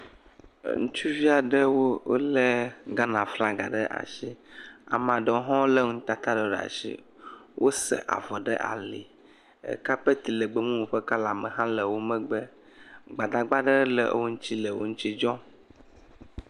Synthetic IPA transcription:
ŋũ˦t͡ʃu˦vi˦a˨ɖə˦wo˦o̰˦le˦ɡa˦nã˨fla˦ɡa̰˨ɖə˦ʔa̰˨ʃi˦a̰˨mã˨ɖɔ˨˦o˦ɦɔ̃˦wlə˦ŋ̩̃˦t̪a˦t̪a˦ɖe˨ɖa̰˨ʃḭ˦ | wʔo˦sə̰˨ʔa̰˨vɔ˨ɖə̰˦ʔa̰˨lḭ˨ | ḛ˨ka˦pe˦t̪i˨lə˨ɡ͡bə˦mũ˦wo˨ɸə˦ka˦la˨mə̃˨ɦã˦lə˨wo˦mɛ̃˦ɡ͡bə˦ | ɡ͡ba˨d̪a˨ɡ͡ba˦ɖə˦lə˦˨ʔwo˦ŋ̩̃˦t͡ɕi˦lə˨wo̰˦ŋũ˦t͡ɕi˦d͡ʒɔ̃˦

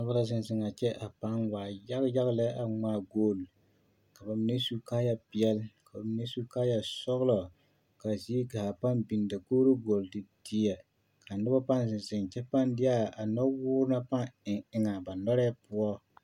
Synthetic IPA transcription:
na˦ba˦la˦zɪ˨n˨zɪ˨ŋa˨t͡ʃɛ˦ʔa˨pa˦ŋwaː˨ja˦ɣja˦ɣlɛ˦a˨ŋ͡maː˦ɡoː˦˨l | ka˨ba˨mi˨˦ne˦su˦kaː˦ja˦pi˦ɛ˦lka˨ba˨mi˨ne˦su˦kaː˦ja˨sɔ˦ɣlɔ˨ | ka˨ziː˦ka˨ha˨pa˦nbi˨nda˨koː˦ɾo˦ɡo˨ldɪ˨di˦ja˨ | ka˨nɨ˦ba˦pa˦nzɪ˨nzɪ˨ŋt͡ʃɛ˦pa˦ndɪ˦a˦a˨nɔ˦wʊː˦ɾɨ˦na˦pa˦ŋɪ˨ŋɪ˦ŋa˨ba˨nɔ˦ɾɛ˦pʊ˦ɔ˦

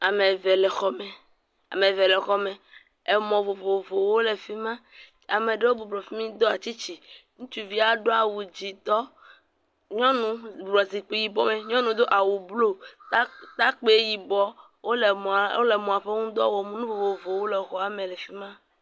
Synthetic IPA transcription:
a˨me˨vɛ˨lɛ˨xɔ˦mɛ˨ | a̰˨me˨ve˨le˨xɔ˦mẽ˨ | e˨mɔ̃˨vo˨vo˨vo˨wo˦le˨fi˦mã˦ | a˨mẽ˨ɖe˦wo˦bo˨blɔ˨fi˦mĩ˦d̪o˦a˨t͡ʃi˦t͡ɕi˨ŋũ˦t͡ʃu˦vi˦a˨ɖo˦a˨wu˨d͡ʑi˨t̪ɔ˦ | ɲɔ̃˦nũ˦bblɔ˨zi˨k͡pi˦ji˨bɔ˦mẽ˨ɲɔ̃˦nũ˦d̪o˦ʔa˨wu˨blo˦ | t̪a˦k͡pe˦ji˨bɔ˦ | wo˦le˨m˨o̰˦le˨mũ˨a˨ɸe˦ŋũ˦d̪ɔ̰˦wɔ˨mũ˦nũ˦vo˨vo˨vo˨wo˦le˨xɔ˦a˨mẽ˨le˨fi˦mã˦

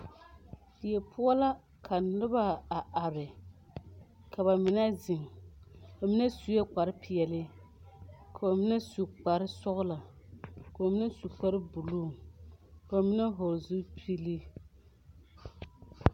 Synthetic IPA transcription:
dɪ˨jɛ˨pʰʊ˦a˦la˦ | kʰa˨nɪ˦ba˦a˨ʔa˨ɾɪ˨ | kʰa˨ba˨mɪ˨˦na˦zɪ˨ŋ | ba˨mɪ˦na˦su˨jɛ˦k͡pa˨ɾɪ˦pʰɪ˨ɛ˨lɪ˦ | kʰa˨ba˨mɪ˦na˦su˨k͡pa˨ɾɪ˦sʊ˦ɣʊ˦la˨ | ka˨ba˨mɪ˦na˦su˨k͡pa˦ɾɨ˦bu˨luː˦˨ | ka˨ba˨mɪ˦na˦ɦo˨ɾzu˦pʰi˦li˦

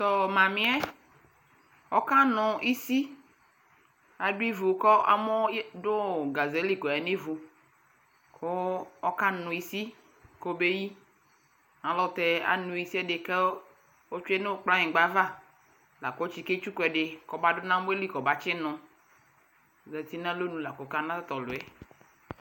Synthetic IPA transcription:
t̪ɔ˨mã˨mĩ˨˦ɛ˦ | ɔ˦ka˦nʊ̃˨i˦si˦ | a˨dʊ˦i˦vu˨˦kɔ˦a̰˦mɔ˦dʊ˦˨ɡa˨ze˨˦li˦kɔ˨ɛ˨ne˦vu˨ | kʰo˦ɔ˦ka˦nʊ̃˨i˦si˦ | ko˦be˦ji˦ | ã˨lɔ˦˨t̪ɛ˨a̰˦nũ˨i˦si˦ɛ˦dɪ˨ke˦ | o˦t͡ʃu˦ɛ˦ne˦o˦k͡plã˦ɲɪ̃˨ɡ͡ba˦va˦ | la˨ko˦o˦t͡ʃi˨ke˦t͡ʃu˦kɛ˨ɖɪ˨kɔ˨ba˦dʊ˦nã˦m˦e˦li˦kɔ˨ba˨t͡ʃɪ˦nʊ̃˦˨ | zɛ˨t̪i˦nã˦lo˦nũ˨la˨ko˨ka˦nã˦t̪t̪ɔ˨lʊ˨ɛ˨

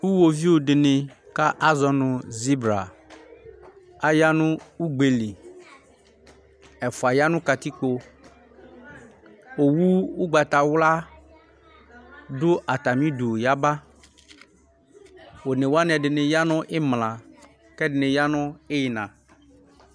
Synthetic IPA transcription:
wu˦wo˨vi˦wo˨ɖɪ˨nɪ˨ka˦ʔa˦zɔ˨nʊ̃˨zi˦bɾa̰˨ | a˦ja˦nʊ̃˦u˦ɡ͡be˨li˨ | ɛ˨fu˨a˨ja˦nʊ̃˦ka˨t̪i˦k͡po˦ | wo˨wu˦wu˦ɡ͡ba˨t̪a˨wla˦ | do˦ʔa˨t̪a˨mĩ˦du˨ja˦ba˦ | wo˨nẽ˨wa˦nɛ̃˨ɖɪ˨nɪ̃˨ja˦nɔ̃˦ʔe˦mlã˨ | kɛ˦dɪ˨nɪ̃˨ja˦nɔ̃˦e˦ji˨nã˨

